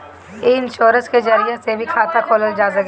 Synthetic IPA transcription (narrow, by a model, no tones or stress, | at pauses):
eɪnʃoːɾə̃nsked͡ʒəɾijasebʱikʰaːt̪akʰoːləld͡ʒaːzə